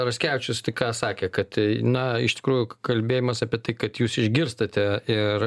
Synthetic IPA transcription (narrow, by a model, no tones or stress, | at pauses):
ɾɐsʲkʲæːʋʲɪt͡ʃʲʊst̪ɐɪkɑːsɑːkʲekɐt̪nɐɪʃt̪ʲɪ̥kɾuːjʊkɐlʲbʲeːjɪmɐsɑːpʲiɛt̪ɐɪkɐt̪juːsɪʒʲɡʲɪɾst̪ɐt̪ʲɛɪr